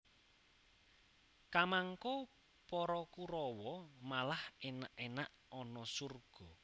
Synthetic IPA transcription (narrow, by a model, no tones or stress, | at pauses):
kamaŋkɔ | pɔɾɔkuɾɔwɔmalahenaʔenaʔ | ɔnɔsurɡ̥ɔ̤